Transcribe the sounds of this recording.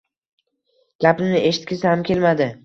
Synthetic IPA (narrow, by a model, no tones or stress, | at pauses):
ɡ̥ʲapɪmnɪʔe̞ʃɪ̥t̪̚kʲɪsɪhamkʲe̞lmad̪ɪ